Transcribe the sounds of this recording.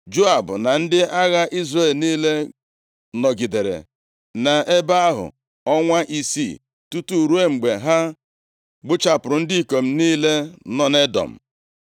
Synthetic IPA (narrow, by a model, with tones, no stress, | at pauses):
d͡ʒo˦a˨bʊ˨na˨n̩˦dɪ˦ʔa˦ɣa˦ʔi˦zre˦˨lniː˦le˦ | nɔ˨ɡi˨de˨ɾḛ˨ | na˨e˦ba˦a˦ɦʊ̰˨ | ɔ˦ŋʷa˦ʔi˨si˦˨ | tu˦tu˨ɾu˦e˦ŋ͡m̩˨ɡ͡be˨ɦa˦ | ɡ͡bʊ˦t͡ʃa˨pʊ˨ɾʊ˨n̩˦di˦i˨ko˨m̩˦niː˦le˦nɔ˨ne˦dɔ̰˨m̩̰˨